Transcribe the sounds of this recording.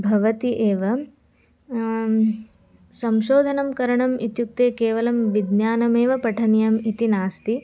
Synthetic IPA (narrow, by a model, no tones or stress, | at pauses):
bʱɐʋɐt̪iʔeːʋɐ | sɐmʃoːd̪ʱɐnɐmkɐɾɐɳɐmʔit̪juk̚t̪eːkeːʋɐlɐmʋid̪njaːnɐmeːʋɐpɐʈʰɐnjɐmit̪inaːst̪i